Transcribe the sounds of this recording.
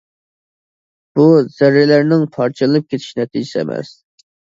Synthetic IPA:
b̥uz̥ɛɾːɪlæɾnɪŋpʰɑɾt͡ʃʰɨlˠɨnɨp̚kʲʰet̪ʰi̥ʃinɛt̪ʰid͡ʒisɛ̰mɛ̰s

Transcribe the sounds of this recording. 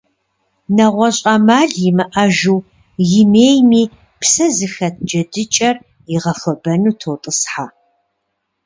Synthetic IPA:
nɐʁʷɔɕʼɐmaːɮjɪmɨʔɐʒuw | jɪmeːjmiː | psɐzɨxɐt̪̚ʰd͡ʒɐdɨt͡ʃʼɐr | jɪʁɐfʷɔbɐnuːtʰoːwtʼɨsħaː

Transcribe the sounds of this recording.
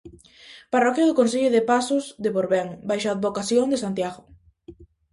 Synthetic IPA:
parɔkjaðʊkons̬eʎʊðepasʊzðepoɾβɛŋbajʃaːd̪bokaθjoŋd̪esant̪jaɣʊ

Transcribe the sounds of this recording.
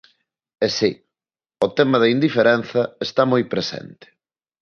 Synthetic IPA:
ɛsi | ʊt̪ɛmɐðɐind̪ifeɾɛn̟θɐest̪amojpɾesɛ̰nt̪ɪ̥

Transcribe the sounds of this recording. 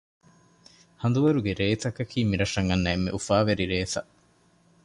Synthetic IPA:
hɐnd̪uʋɐɾuɡeɾeːt̪ɐkɐkʰiːmiɾɐʂɐŋɐnːɐemːḛʔufaːʋeɾiɾeːt̪ɐ

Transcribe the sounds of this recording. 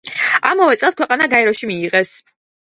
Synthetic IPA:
amɔvɛt̪sʼɛlˠskwɛqʼanaɡaɛɾɔʃimiːʁɛs

